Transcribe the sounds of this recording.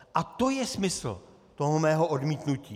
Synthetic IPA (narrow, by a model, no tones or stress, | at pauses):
ʔat̪o̞jɛsmɪsl̩ | t̪o̞ɦomɛːɦo̞ʔodmiːt̪nuciː